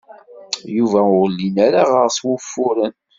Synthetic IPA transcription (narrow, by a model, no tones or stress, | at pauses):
juvæʊʁəlːinaɾaʁəʁswʊfːʊɾən